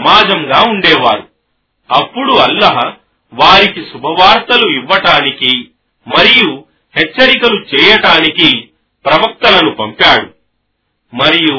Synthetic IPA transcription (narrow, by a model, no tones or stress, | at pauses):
maːd͡ʒɐmɡaːuɳɖɛːʋaːɾu | ɐpːuɽuɐlːɐɦɐ | ʋaːɾikisubʱɐʋaːɾt̪ɐluiʋːɐʈaːniki | mɐɾiju | hɛt͡ʃːɐɾikɐlut͡ʃɛːjɐʈaːniki | pɾɐʋɐk̚t̪ɐlɐnupɐmpaːɽu | mɐɾiju